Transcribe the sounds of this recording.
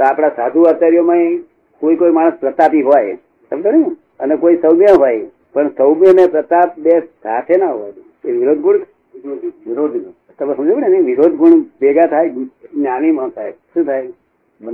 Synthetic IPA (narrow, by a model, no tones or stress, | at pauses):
t̪oapɽ̃asad̪ʱuat̪aɾjomãĩ | koikoimãəspɾət̪apiɦɔj | t̪ət̪ənĩ | ənekoisəwmjəɦɔj | pəɳsəwmjənepɾət̪ap̚bessa̰t̪ʰenaɦɔj | eʋiɾod̪̚ʱɡuɳʰ | ɾod̪ | t̪əbesəmd͡ʒabəninĩʋiɾod̪ʱɡuɳbeɡat̪ʰajnjaɽ̃imãt̪ʰajʃũt̪ʰaj